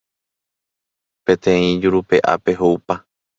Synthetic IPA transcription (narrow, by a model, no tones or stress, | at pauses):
pẽ̞t̪ẽĩd͡ʒuɾupe̞ʔa̰pe̞ɦoupa